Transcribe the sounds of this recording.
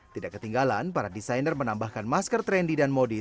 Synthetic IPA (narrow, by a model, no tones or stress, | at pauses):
t̪idaʔkət̪iŋɡalanpaɾadisajnərmənambahkanmaskərt̪ɾɛndidanmodi